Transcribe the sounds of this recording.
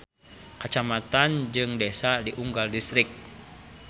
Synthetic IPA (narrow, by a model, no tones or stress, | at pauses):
kət͡ʃamat̪and͡ʒɨŋdɛsadiʔuŋɡaldist̪ɾɪk̚